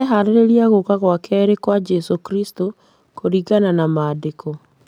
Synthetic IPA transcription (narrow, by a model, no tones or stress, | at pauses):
ɛɦaɾeɾeɾiaɣokaɣwakɛɾekwad͡ʒɛsokɾisto | koɾiɣananamaːdeko